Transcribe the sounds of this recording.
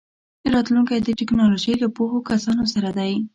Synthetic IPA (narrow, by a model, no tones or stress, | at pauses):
ɾɑt̪luŋkajd̪əʈɪknɑloʒəjlapoxokasɑnosaɾad̪aj